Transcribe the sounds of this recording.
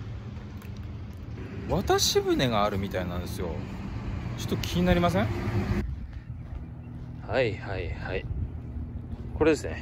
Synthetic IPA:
βat̪aɕibɯ̟ne̞ɡaːɾɯ̟mʲit̪ainãnd̪e̞sɨjo̞̰ | t͡ɕo̞̥t̪ːokʲʰiɲ̟inaɾʲimas̬ẽŋ | haihaihai | ko̞ɾe̞d̪e̞sɨne̞̰

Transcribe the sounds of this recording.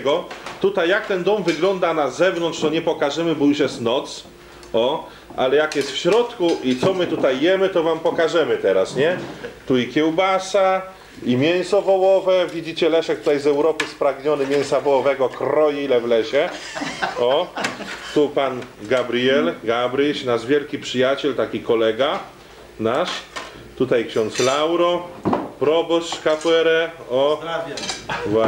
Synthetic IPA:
ɡɔt̪ut̪ajːak̚t̪ɛnd̪ɔmvɘɡlɔnd̪anazɛvnɔntʂt̪ɔɲɛpɔkaʐɛmɘbɔjuʂ̬jɛst̪nɔt̪s | ɔ | ʔalɛjakjɛst̪fɕɾɔt̪kuʔit̪sɔmɘt̪ut̪ajːjɛmɘt̪ɔvampɔkaʐɛmɘt̪ɛɾasɲɛt̪uikʲjɛwbasa | imʲjɛñsɔvɔwɔvɛvʲid͡ʑit͡ɕɛlɛʂɛk̚t̪ut̪ajzɛwɾɔpɘspɾaɡɲɔnɘmʲjɛñsavɔwɔvɛɡɔkɾɔjiilɛvlɛɕɛ | ɔ | t̪upanɡabɾijɛlɡabɾiɕnaʐvʲjɛlkʲipʂɘjat͡ɕɛlt̪akʲikɔlɛɡa | naʂ | t̪ut̪ajkɕɔnt̪slawɾɔpɾɔbɔɕʂkapwɛɾɛɔ | vwa

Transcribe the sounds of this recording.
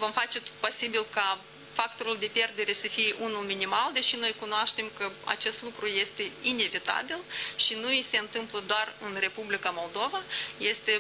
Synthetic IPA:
vo̞mfat͡ʃe̞t̪ot̪̚po̞sibilka | fakt̪o̞ɾuld̪e̞pje̞rd̪e̞ɾe̞səfijeʔunulminimald̪e̞ʃino̞jkunoaʃt̪e̞mkəa̰t͡ʃe̞st̪lukɾuje̞st̪e̞ine̞vit̪a̰bilʃinuise̞ɨnt̪ɨmpləd̪oarɨnre̞publikamo̞ld̪o̞vaje̞st̪e̞

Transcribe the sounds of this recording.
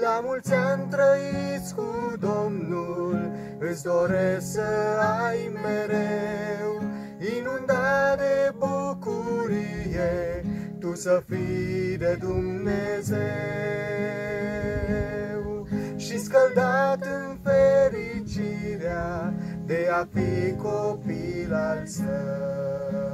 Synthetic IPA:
lamult̪sʲant̪ɾəit̪sʲkud̪o̞mnul | ɨsd̪o̞ɾesəajmeɾew | inund̪ad̪ebukuɾijet̪usəfid̪ed̪umneze | w | ʃiskəld̪at̪ɨnfeɾit͡ʃiɾea | d̪e̞afikopilalsə

